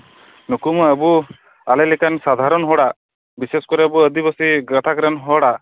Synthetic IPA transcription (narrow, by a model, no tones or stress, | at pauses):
nukuməbu | alelikansad̪ʱaɾɔnɦɔɽa | biseskɔɾeəbuəd̪ibɔsiɡɾət̪ʰakɾanɦɔɽa